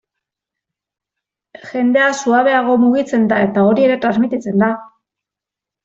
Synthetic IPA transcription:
ʝe̞nd̪e̞asuaβe̞aɣ̞o̞muɣ̞it͡se̞nd̪ae̞t̪ao̞ɾie̞ɾe̞t̪ɾazmit̪it͡se̞nd̪a

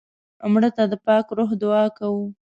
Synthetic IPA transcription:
amɽət̪ad̪əpɑkɾoɦd̪ʊɑkawu

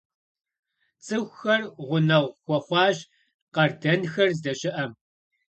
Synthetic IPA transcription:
t͡sʼɨxʷxɐrʁʷʊnɐʁʷxʷɔχʷɑːʑ | qɐrdɐnxɐrzdɐɕʼɪʔɐm

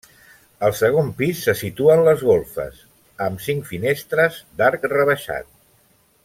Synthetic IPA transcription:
əlˠsəɣ̞ompisːəsit̪uənləzɣolˠfə̰s | əmsiŋkfinest̪ɾəzd̪aɾkrəβəʃa̰t̪̚

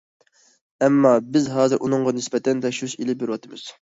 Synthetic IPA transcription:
ɛmːɑːbɪzɦɑːzɨɾʔunɨŋʁɑnɪspɛt̪ʰɛnd̪ɛʃyzilɪbeɾwɑt̪ʰɨmɨz̥

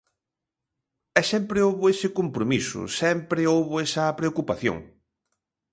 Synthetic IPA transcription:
ɛsɛmpɾeowβʊesɪkompɾomisʊ̰sɛmpɾeowβoesɐpɾeokupaθjo̰ŋ

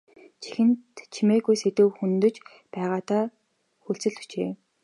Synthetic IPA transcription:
t͡ɕʰi̥xɘ̆nt̪t͡ɕʰimeːɣujset̪ɘ̆wxunt̪ɵ̆t͡ɕ | pæːʁaːt̪aː | xuɬt͡sɘ̆ɮt̪u̥t͡ɕeː

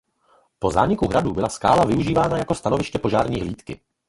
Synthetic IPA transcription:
po̞za̰ːɲɪkuɦɾadubɪlaska̰ːlavɪuʒiːvaːnajako̞st̪anovɪʃcɛpo̞ʒaːɾɲiːɦliːt̪kɪ

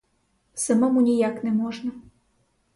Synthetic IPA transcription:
səmomunʲijaknɛmoʐnə

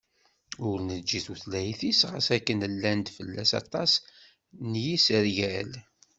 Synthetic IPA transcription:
ʊɾnəd͡ʒːiθuθlæjθisʁəsækːənəlːænd̪fəlːæsɑ̰t̪ˤɑs | njisəɾʝæl

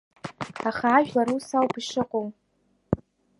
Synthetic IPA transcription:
aχaːʒᶣlaɾusawpiʂɨqʼom

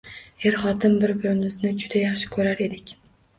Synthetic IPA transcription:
e̞ɾχɒt̪ʰɪmbɪɾbɪɾɪmɪznɪd͡ʒʊd̪ajaχʃɪ̥kʰɵɾaɾe̞d̪ɪkʲ

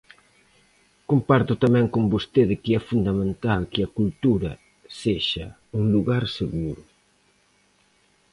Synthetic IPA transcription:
kompaɾt̪ʊt̪amɛ̃ŋkombost̪eðɪkɪɛfund̪ɐmẽnt̪alkɪɐkult̪uɾɐ̰ | seʃɐ̰ | uŋluɣaɾseɣuɾʊ

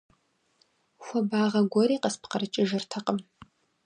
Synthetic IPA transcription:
xʷɔbaːʁɐɡʷɔɾiːqəspqɐɾɨt͡ʃʼɪʒɪrtʰɐqəm

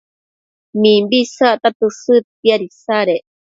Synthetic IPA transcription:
mĩmbisaʔt̪at̪usɨt̪̚iaɾisaɾeʔ

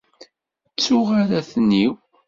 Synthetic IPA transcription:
t͡sːʊʁaɾæθniw

